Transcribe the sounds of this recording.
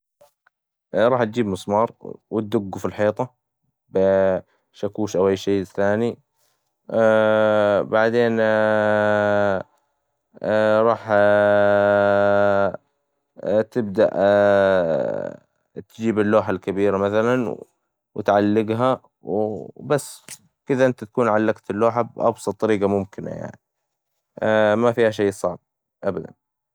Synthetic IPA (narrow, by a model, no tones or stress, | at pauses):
ɾˤɑːħt̪̚d͡ʒiːbmʊsˤmɑːɾˤwɪt̪̚d̪ʊɡːufilħeːt̪ˤɑ | b | ʃakuːʃʔawʔajːʃejːθaːni | baʕd̪eːn | ɾˤɑːħ | t̪ɪb̚d̪aʔ | t̪d͡ʒiːbɪlːoːħalkabiːɾamaθalanw | wɪ̰t̪ʕalːɪɡɦa | wbasː | kɪd̪aʔɪnt̪at̪ḁkuːnʕalːaɡt̪ɪlːoːħabʔɑ̰bsˤɑt̪ˤːɑɾiːɡamʊmkɪna̰ja̰ʕni | mafiːhaʃ̬ejːsˤɑʕb̚ | ʔabad̪a̰n